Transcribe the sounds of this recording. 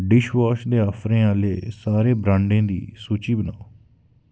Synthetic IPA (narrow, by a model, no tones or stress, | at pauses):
ɖɪʃʋaːʃd̪eːaːfʰɾẽːaːleːsaːɾeːbɾãːɳɖẽːd̪ḭːsuːt͡ʃiːbənaːo